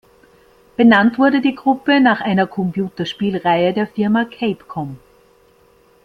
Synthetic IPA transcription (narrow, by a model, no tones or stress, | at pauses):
b̥ənantv̥ʊɐɾədiːɡʁʊpənaːχʔaɪnɐkʰɔmpʰjuːtɐʃpiːlʁaɪədeːɐfɪɐmakʰeɪpkʰɔm